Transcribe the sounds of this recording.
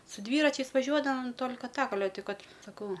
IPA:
sʊ ˈdʲʋʲiːrɐt͡ʃʲɛɪs ʋɐˈʒʲuɔdɐʋɐm ˈtoːlʲkɐ ˈtɐk ɐˈlʲɛ ˈtʲɪ ˈkɐt sɐˈkɐʊ

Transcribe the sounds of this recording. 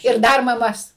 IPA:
ɪr ˈdɐr mɐˈmɐs

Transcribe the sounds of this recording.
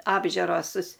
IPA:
ɐbʲˈʒʲʊroːs

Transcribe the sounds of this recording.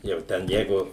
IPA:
jɛʊ ˈtʲɛn ˈjɛɪɡʊ

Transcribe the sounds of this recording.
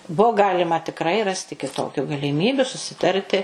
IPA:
ˈbʊʊ ˈɡɑːlʲɪmɐ tʲɪkˈrɐɪ ˈrɑːsʲtʲɪ kʲɪˈtoːkʲʊ ɡɐlʲɪˈmʲiːbʲʊ sʊsʲɪˈtɐrʲtʲɪ

